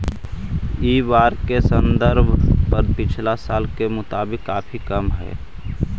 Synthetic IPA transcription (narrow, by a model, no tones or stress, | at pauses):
iʋaːɾkesənd̪əɾbʱpəɾpɪt͡ʃʰlasaːlkemʊt̪aːbɪkːapʰikəmɦɛ̰ː